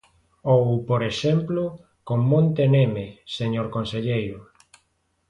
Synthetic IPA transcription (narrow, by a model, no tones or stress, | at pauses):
owpoɾeʃɛmplo | koŋmõnt̪enemeseɲoɾkonseʎejɾʊ